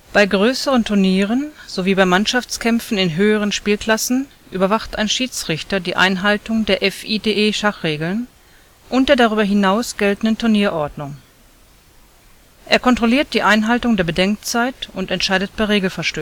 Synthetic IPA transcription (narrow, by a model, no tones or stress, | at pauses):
b̥aɪɡʁøːsəʁəntʰʊɐniːʁ̞ənz̥oviːbaɪmanʃaft͡skʰɛmfn̩ɪnɦøːəʁənʃpiːlkl̥asn̩ | ʔyːbɐvaχtʔa̰ɪnʃiːt͡sʁ̥ɪçtɐdiːʔa̰ɪnɦaltʊŋdeːɐʔɛfʔiːdeːʔeːʃaχʁ̥eːɡl̩n | ʔʊntd̥eːɐdaʁyːbɐɦɪnaʊsɡ̥ɛltn̩dəntʰʊɐniːɐʔɔɐdnʊŋ | ʔeːɐkʰɔntʁ̥oliːɐt̚d̥iːʔaɪnɦaltʊŋdeːɐbədɛŋk̚t͡saɪtʊntɛntʃaɪdət̚b̥aɪʁeːɡl̩fɛɐʃtøː